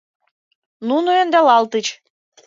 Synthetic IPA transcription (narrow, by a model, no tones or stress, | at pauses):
nunuĕnd̪ælɑlt̪ət͡ɕ